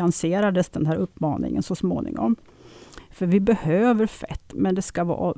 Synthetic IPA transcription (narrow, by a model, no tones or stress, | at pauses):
anseːɾad̪əsd̪ɛnɦæːɾɵpːmɑ̰ːnɪ̰ŋə̰nsɔsmo̰ːnɪ̰ŋɔ̰m | fœɾvɪbɛhøːvəɾfɛ̰t̪ːmɛnd̪ɛskavɑ̰ː